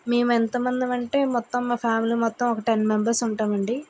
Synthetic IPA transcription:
meːmuent̪ɐmɐnd̪imɐɳʈe̞ːmɔt̪ːɐmːaːpʰaːmilimɔt̪ːɐmɔkɐʈenmembɐɾsuɳʈaːmɐɳɖi

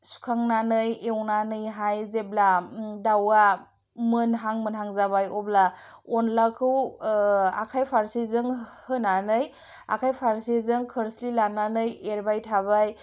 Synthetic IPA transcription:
su̥kʰaŋnanɯjewnanɯjɦajzebladawa | mɯnɦaŋmɯnɦaŋzaβajɔbla | ɔnlakʰɯw | a̰kʰajpʰaɾsizɯŋhɯnanɯj | a̰kʰajpʰaɾsizɯŋkʰɯɾslilanːanɯjeɾbajtʰaβaj

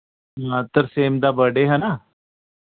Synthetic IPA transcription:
ɦat̪əɾseːmd̪aːbəɽeɦɛna

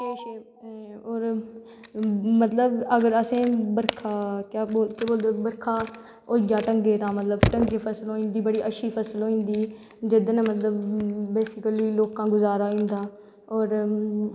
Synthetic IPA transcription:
eːʃeː | oːɾ | mət̪ləbəɡəɾəsẽːbəɾkʰaːkjaːoːkeboːld̪oːbəɾkʰaː | oːɪɡjaːʈəŋɡeːt̪ãːmət̪ləbʈə̃ŋɡeːpʰəsəlɦoːĩːnd̪iːbəɽiːʔəʃʰiːpʰəsəlɦoːĩːnd̪iː | d͡ʒɪd̪namət̪ləbːeːsɪkəliːloːkãːɡʊzaːɾaːĩːnd̪aː | oːɾ

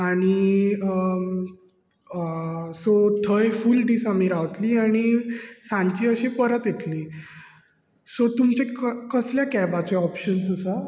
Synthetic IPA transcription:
aɽ̃i | sot̪ʰəjfuːlɖ̪isamiɾaʋt̪liːaɽ̃isãɲt͡ɕiəɕepəɾət̪et̪liː | sot̪umt͡ɕẽkkəsljakɛbat͡ɕeɔpɕənsəsa

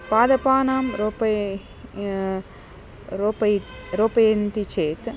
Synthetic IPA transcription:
paːd̪ɐpaːnaːmɾopɐ | ɾopɐ | ɾoːpɐjɐnt̪it͡ʃeːt̪

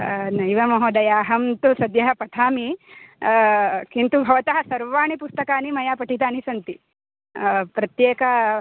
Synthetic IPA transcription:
nɐjʋɐmɐɦoːd̪ɐjaːɦɐmt̪usɐd̪jɐɦɐpɐʈ̪ʰaːmi | kint̪ubʱɐʋɐt̪ɐɦɐ̆sɐɾʋaːɳipust̪ɐkaːnimɐjaːpɐʈʰit̪̬aːnisɐnt̪i | pɾɐt̪jeːkɐ

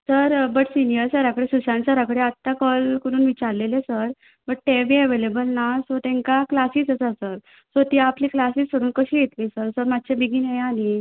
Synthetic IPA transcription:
səɾbəʈsinijəɾsəɾakəɽesuɕãnsəɾakəɽeat̪ːakɔlkuɽuːnʋit͡ɕaɾlelesəɾ | bəʈ̚t̪ebiəʋelebəlnasot̪ɛ̃ŋkaklasiːsəsasəɾ | sot̪iːapliːklasiːsəɽuːnkəɕiːjet̪liːsəɾsəɾmad̪̚t͡ɕʰebiɡiːnejani

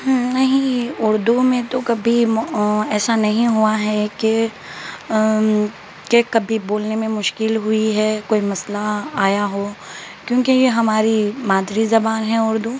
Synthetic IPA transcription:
ɦnɐɦĩʊɾd̪umẽt̪okɐbʱi | ɛːsanɐɦĩɦuaɦɛke | kekɐbʱiboːlnemẽmʊʃkɪlɦʊiɦɛːkoːimɐslaaːjaɦoː | kjõːkejeɦɐmaːɾimaːd̪ɾizɐbaːnɦɛʊɾd̪u

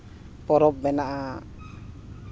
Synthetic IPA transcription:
pɔɾɔp̚ːɛnaʔa

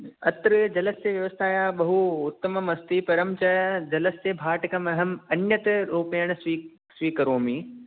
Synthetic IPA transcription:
ɐt̪ɾəd͡ʑɐləseʋjɐʋəst̪ʰaːjaɓɐɦuʊt̪ːəmɐmɐst̪ipɐɾəmt͡ɕɐːjad͡ʑɐləst̪eːbʱaːʈɪkɐmɐɦɐmɐnjət̪ɪɾoːpeːɽ̃sʋiː | sʋiːkɐɾoːmiː

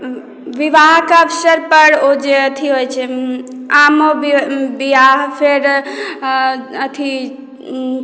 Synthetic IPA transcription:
ʋiʋaɦkəbsəɾpəɾod͡ʒeət̪ʰiɦojt͡ʃʰɛ | amobiʋaɦpʰeɾ | ət̪ʰi

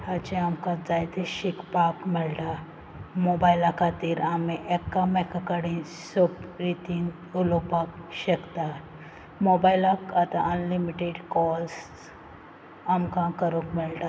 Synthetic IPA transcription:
hat͡ɕẽamkãd͡zajt̪eɕikpakmɛlʈa | mobajlakʰat̪iːɾamiʔekːamɛkakəɽĩn | sobɾit̪in | ulopakɕəkt̪a | mobajlakat̪aʔənlimiʈeɖkɔls | amkãkəɾũkmɛlʈa

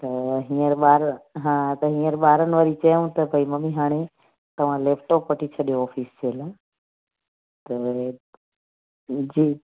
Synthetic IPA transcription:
t̪əɦĩːəɾɓaːɾɦãt̪əɦĩːə̃ɾɓaːɾənʋəɾit͡ʃəjũt̪əpəiməmiɦaːɽ̃e | t̪ɐʋ̤ãleːpʰʈoːpʋəʈit͡ʃʰəɗijoɔːpʰiːst͡ʃʰeːla | t̪ə | d͡ʒiː

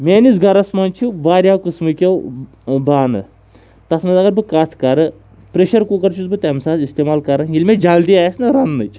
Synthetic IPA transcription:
mʲeːnisɡɐɾɐsmɐnt͡ʃʰubaːɾʲjaːwkɨsmɨkʲew | baːnɨ̰ | t̪ɐtʰnɨzɐɡɐɾbɨkat̪ʰkɐɾɨ | pɾeʃɐɾkukɐɾt͡ʃʰuzbɨt̪ʲɛmsãːzist̪eːmaːlkɐɾɨjilʲmʲed͡ʒɐld̪iaːjsnɐɾɐnːɨt͡ʃʰ

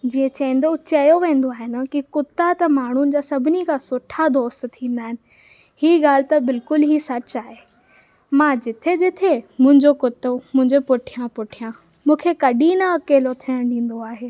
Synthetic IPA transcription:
d͡ʑiːə̃t͡ɕɐ̃n̆d̪ot͡ɕɐjoʋẽːn̆d̪oaːɦɪn̆kikʊt̪ːat̪ɐmaːɳ̤ʊnɪ̆d͡ʑaːsɐbʱɪnikʰãsʊʈʰad̪oːst̪t̪ʰːĩːnd̪aːɦɪnɪ̆ | hiːɡaːl̤ɪt̪ɐbɪlkʊlɦisɐt͡ɕaːɦe | mãːd͡ʑɪt̪ʰed͡ʑɪt̪ʰemʊ̃ɦɪ̃ɲd͡ʑokʊt̪ːəmʊ̃ɦɪ̃ɲd͡ʑopʊʈʰijãpʊʈʰijã | mũːkʰekɐɗĩnaɐkeːlot̪ʰiəɽ̃ɗĩːn̆d̪oaːɦeː

